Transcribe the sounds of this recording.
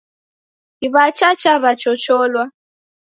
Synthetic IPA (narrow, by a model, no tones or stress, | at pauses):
iβat͡ʃat͡ʃaβat͡ʃɔt͡ʃɔlwa